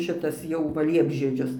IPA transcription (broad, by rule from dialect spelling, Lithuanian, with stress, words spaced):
ˈʃʲɪtɐs jɛʊ ˈʋɐ ˈlʲiɛbʲʒʲiɛd͡ʒʲʊs